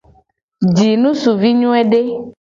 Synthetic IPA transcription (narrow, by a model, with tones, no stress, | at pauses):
d͡ʒi˨nũ˦su˨vi˦ɲũ˦ɛ˦ɖe˦